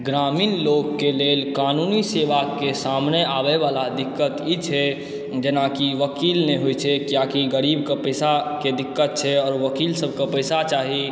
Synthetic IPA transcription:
ɡɾaːmiːnloːɡːeleːlkaːnuːniseːʋakesaːmneaːʋeʋaːlad̪ɪkːət̪it͡ʃʰɛ | d͡ʒənakiʋəkiːlneɦojt͡ʃʰɛkjakiɡəɾiːbkepəɪsaked̪ɪkːət̪̚t͡ʃʰɛɔːɾʋəkiːlsəb̚ʱkepəɪsat͡ʃaːɦi

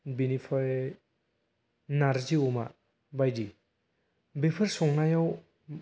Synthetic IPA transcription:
binipʰa | naɾziuma̰ | bajdi | bepʰɯɾsɔŋnajaw

